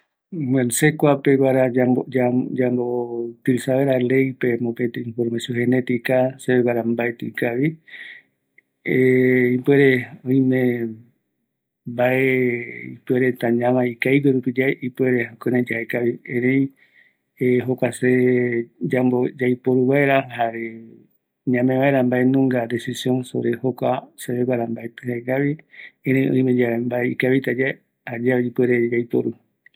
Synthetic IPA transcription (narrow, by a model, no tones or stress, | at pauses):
mensekʷapeβaɾaaod͡ʒad͡ʒambot̪ɨsaβeɾale̞jpemõket̪eĩnfoɾmesoɦenet̪ikaseeβaɾambaet̪ikaβi | ipeɾeoĩmẽ | baeḭpweɾet̪ãɲãʋaikaiɡeɾupid͡ʒaipweɾeokenẽd͡ʒahekaβiẽɾej | eɦokʷase | d͡ʒambod͡ʒajpoɾuβaeɾahaɾe | ɲãmẽʋaeɾambaenũŋɡad̪e̞sisjõnso̰ɾehokʷaseβeɡʷaɾambaet̪ɨhaeɡaβiẽɾ̃ẽj̃õ̰ĩmed͡ʒaembaeikaβit̪ad͡ʒa | had͡ʒaeipeɾed͡ʒajpo̰ɾu